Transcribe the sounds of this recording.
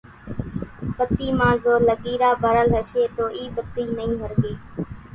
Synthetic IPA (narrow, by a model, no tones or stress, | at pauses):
pət̪iːmãːzoːɾləɠiːɾaːbʱəɾəlɦəʃeːt̪oːʔiːbət̪ːiːnəĩːɦəɾɡeː